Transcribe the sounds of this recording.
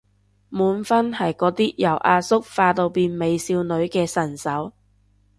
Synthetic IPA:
muː˨˥nfɐ˥nhɐ˨jkɔː˨˥t̪iː˥jɐ˨˩wʔaː˧sʊ˥k̚faː˧t̪o˧wpiː˧nme˨˧jsiː˧wnɵ˨˥ɥkɛː˧sɐ˨˩nsɐ˨˥w

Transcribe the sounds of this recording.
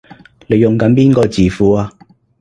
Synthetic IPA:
le˨˧jʊ˨ŋkɐ˨˥npiː˥nkɔː˧t͡siː˨fuː˨˧aː˧

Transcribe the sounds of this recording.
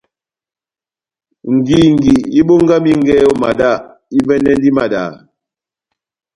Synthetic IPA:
ŋ̩˨ɡi˨ŋ̩˨ɡi˨i˦ɓo˦ŋ˦ɡa˦mi˦ŋ˦ɡɛ˦ɔ˦˨ma˨da˦˨ | i˦vɛ˦nɛ˦n˦di˦ma˨da̰˨

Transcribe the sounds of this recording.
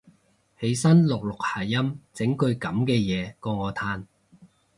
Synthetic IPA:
he˨˧˥jsɐ˥nlʊ˨k̚lʊ˨k̚haː˨˩jɐ˥mt͡sɪ˨˥ŋkɵ˧ɥkɐ˨˥mkɛː˧jɛː˨˧kɔː˧ŋɔː˨˧t̪ʰaː˧n

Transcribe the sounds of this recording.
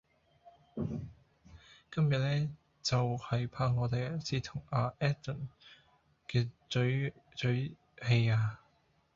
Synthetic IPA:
kɐ˥mjɐ˨t̚lɛː˥ | t͡sɐ˨whɐ˨jpʰaː˧ŋɔː˨˧t̪e˨jsiː˨˥t̪ʰʊ˨˩ŋaː˧ʔɛː˥t̪ʊ˨˩n | kɛː˧t͡ʃɵ˨˥ɥt͡ʃɵ˨˥ɥ | he˧jaː˧

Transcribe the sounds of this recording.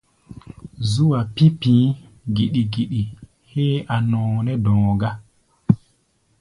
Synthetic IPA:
zu˦wa˨pi˦pĩː˦ | ɡi˨ɗi˨ɡi˨ɗi˨ | heː˦ʔa˨nɔ̃ː˨nɛ˦dɔ̃ː˨ɡa˦

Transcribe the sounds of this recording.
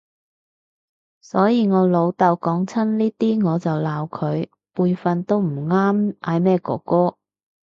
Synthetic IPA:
sɔː˨˥jiː˧ŋɔː˨˧lo˨˧wt̪ɐ˨˧wkɔː˨˥ŋt͡sʰɐ˥nliː˥t̪iː˥ŋɔː˨˧t͡sɐ˨wlaː˨˧wkʰɵ˨˧ɥ | puː˧jfɐ˧nt̪o˥wm̩˨˩ŋaː˥mʔaː˨˧jmɛː˥˩kɔ̰ː˧kɔː˥

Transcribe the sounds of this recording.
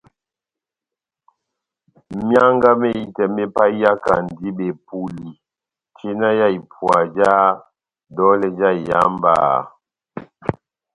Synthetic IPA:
mja˦ŋɡa˦me˦˨i˨tɛ˨mɛ˦pa˦i˦ja˦ka̰˨n˨di˦be˨pu˨li˨ | te˦na˦ja˦i˨pʰwa˨d͡ʒa˦ | dɔ˦lɛ˨d͡ʒa˦˨i˨ja̰˦mba̰ː˨

